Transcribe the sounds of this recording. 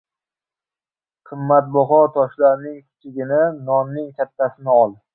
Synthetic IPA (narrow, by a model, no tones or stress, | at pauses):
qʰɨmːat̪̚bɒɦɒt̪ʰɒʃlaɾnɪŋkʲʰɪ̥t͡ʃʰɪɡʲɪnɪnɒnːɪŋkʲʰat̪ːasɪnɪɒlˠɪ